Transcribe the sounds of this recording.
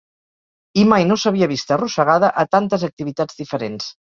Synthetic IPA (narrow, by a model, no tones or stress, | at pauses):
imajnosəβiəβist̪ərusəɣ̞aðəʔət̪ant̪əzək̚t̪iβit̪ad͡zd̪ifəɾens